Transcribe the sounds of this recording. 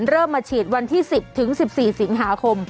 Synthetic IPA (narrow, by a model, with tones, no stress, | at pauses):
nɾɤː˥˩mːaː˧t͡ɕʰiː˨˩t̪̚wa˧nt̪ʰiː˥˩si˨˩p̚t̪ʰɯ˩˦ŋsi˨˩p̚siː˨˩si˩˦ŋɦaː˩˦kʰo˧m